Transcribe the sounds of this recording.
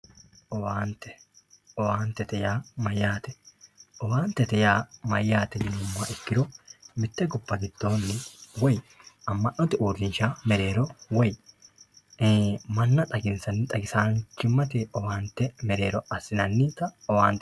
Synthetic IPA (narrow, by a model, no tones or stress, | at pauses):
ʔɔwaːnt̪ɛ̥ | ʔɔwaːnt̪ɛt̪ɛjaːmɐjːaːt̪ɛ̥ʔɔwaːnt̪ɛt̪ɛjaːmɐjːaːt̪ɛnɪnʊmːaʔɪkːɪɾɔmɪt̪ːɛɡʊbːɐɡɪd̪̥ːo̞ːnːɪwɔjɐmːɐʔɔt̪ɪʔuːɾɪnʃaːmɛɾe̞ːɾɔwɔj | mɐnːɐt̪ʼɐɡɪnsɐnːɪt̪ʼɐɡɪsaːnt͡ʃːɪmːɐt̪ɛɔwaːnt̪ːɛmɛɾe̞ːɾɔɐsɪnɐnːit̪ɐɔwaːnt̪ɛ